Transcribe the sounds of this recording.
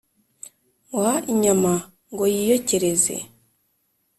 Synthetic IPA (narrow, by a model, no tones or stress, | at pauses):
waʔiɲama | ŋɡo̞jijoceɾezḛ